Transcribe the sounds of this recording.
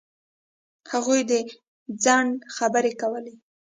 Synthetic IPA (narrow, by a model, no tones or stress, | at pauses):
haɣujd̪e | d͡zɑnxabəɾekawəle